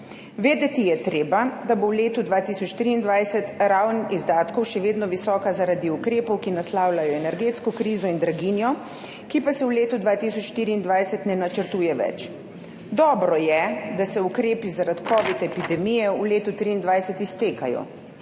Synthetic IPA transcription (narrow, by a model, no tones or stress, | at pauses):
ʋeːd̪ɛt̪ijɛt̪ɾeːbad̪abowleːt̪ud̪ʋaːt̪iːsɔt͡ʃːt̪ɾiːnd̪ʋajsɛt̪ɾawnizd̪aːt̪kɔwʃɛʋeːd̪nɔʋisɔːkazaɾad̪iukɾeːpɔwkinaslaːwlajɔɛnɛɾɡeːt̪skɔkɾizɔind̪ɾaɡinjɔ | kipasɛwleːt̪ud̪ʋaːt̪isɔt͡ʃʃt̪iːɾiːnd̪ʋajsɛt̪nɛnat͡ʃəɾt̪uːjɛʋɛ̰t͡ʃ | d̪ɔːbɾɔjɛd̪asɛukɾeːpizaɾat̪kɔːʋit̪ɛpid̪ɛmijɛuleːt̪ut̪ɾiːnd̪ʋajsɛt̪ist̪eːkajɔ̰